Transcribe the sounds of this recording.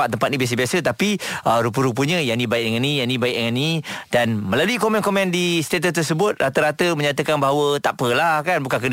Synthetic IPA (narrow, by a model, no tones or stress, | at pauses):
at̪̚ːəmpat̪̚nĩbias̬əbiasət̪apiʔəɾup̬əɾup̬əɲəjanĩbaik̚dəŋanijanĩbaik̚dəŋanːidanməlaluikomɛ̃nkomɛ̃ndist̪et̪əst̪ərsəbʊt̪̚rat̪əɾat̪əmə̃ɲat̪̬əkanbaɦawət̪apəlahkanbukankəd